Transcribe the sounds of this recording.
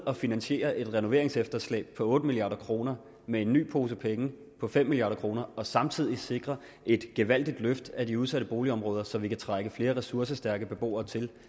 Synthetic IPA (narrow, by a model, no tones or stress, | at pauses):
ɒ̽finænɕe̝̰ːɐʔe̝d̥ʁɛno̝ʋe̝ɐ̰eŋsefd̥ɐslɛ̰ːb̥̚pʰɒ̽ɔ̽ːd̥əmilijɑ̈ːɾɐkʰʁo̝ːnɐ | mee̝nːy̰ːpʰo̝ːs̬əpʰeŋə | pʰɒ̽fem̰miliɑ̈ːɾˠɐkʰʁo̝ːnɐɒ̽sɑ̈mt͡sʰið̰ˠise̝ɡ̥ʁɐ | ʔe̝d̥ɡ̥eʋæl̰d̥id̥løfd̥ædiuð̞ˠsæɾəb̥o̝ːliɒ̽mʁɔ̽ːð̞ˠɐsɒ̽ʋikʰæt͡sʰʁaɡ̥əfle̝ːɐʁɛsuɐsəsd̥æɐɡ̥əb̥e̝b̥o̝̰ːɐːt͡sʰe̝l